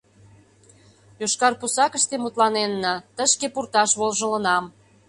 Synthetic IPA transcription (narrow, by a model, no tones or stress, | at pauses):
joʃkɑrpusɑkəʃt̪emut̪lɑnenːət̪əʃkepurt̪ɑʃβolʒə̆lə̆nɑm